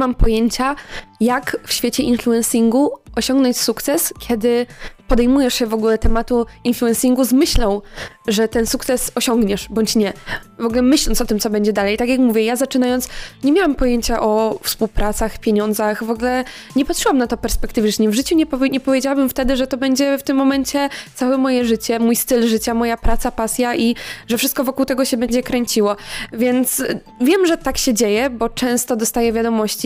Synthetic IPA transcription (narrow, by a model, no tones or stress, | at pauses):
mampɔjɛɲt͡ɕajakfɕfʲet͡ɕɛʔinfluɛnsʲiŋɡuɔɕɔ̃ŋɡnɔ̃ɲt͡ɕsukt̪sɛskʲjɛd̪ɘpɔd̪ɛjmujɛʂɕɛvɔɡulɛt̪ɛmat̪uinfluɛ̃nsʲiŋɡuzmɘɕlɔ̃w̃ʐɛt̪ɛnsukt̪sɛsɔɕɔŋɡɲɛʂbɔɲt͡ɕɲɛvɔɡulɛmɘɕlɔnt̪sɔt̪ɘmt̪ɔbɛɲd͡ʑɛd̪alɛjt̪akʲjakmuvʲjɛjazat͡ʂɘnajɔntsɲɛmʲjawampɔjeɲt͡ɕaʔɔfspuwpɾʔat̪saxpʲjeɲɔnd̪zaxvɔɡulɛ | ɲɛpat̪ʂɘwamnat̪ɔpɛɾspɛkt̪ɘvɛʂɲɛvʐɘt͡ɕuɲɛpɔɲɛpɔvʲjed͡ʑawabɘmft̪ɛd̪ɘʐɛt̪ɔbɛɲd͡ʑɛft̪ɘmːɔmɛɲt͡ɕɛt̪sawɛmɔjɛʐɘt͡ɕɛmujst̪ɘlʐɘt͡ɕamɔjapɾat̪sapasʲjaʔiʐɛfʂɘst̪̚kɔvɔkuwt̪ɛɡɔɕɛbɛɲd͡ʑɛkɾɛɲt͡ɕiwɔvʲjɛnt̪s | vʲjɛmʐɛt̪akɕɛd͡ʑejɛbɔt͡ʂɛ̃st̪ɔd̪ɔst̪ajɛvʲjad̪ɔmɔɕt͡ɕi